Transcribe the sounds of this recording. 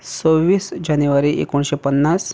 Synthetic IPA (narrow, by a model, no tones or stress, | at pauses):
t͡sowʋiːsd͡ʑanjuʋaɾiʔḛkoɳɕepənːas